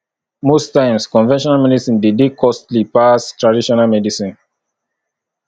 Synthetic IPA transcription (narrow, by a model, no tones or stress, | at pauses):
mostãɪ̃mskɔ̃nvɛ̃nʃɔ̃nalmɛdisĩndidikʰɔstlipastɹadiʃɔnalmɛdisĩn